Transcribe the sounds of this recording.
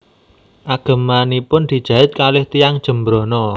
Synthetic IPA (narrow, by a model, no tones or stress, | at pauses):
ʔaɡ̥a̤manipʊnd̪̥i̤d̥ʒ̥a̤ɪt̪̚kalɪht̪ijaŋd̥ʒ̥ə̤mbɾonɔ